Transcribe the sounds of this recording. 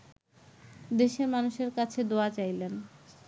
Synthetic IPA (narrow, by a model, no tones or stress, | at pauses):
d̪eʃemanuʃeɾkat͡ɕʰed̪oat͡ɕajlen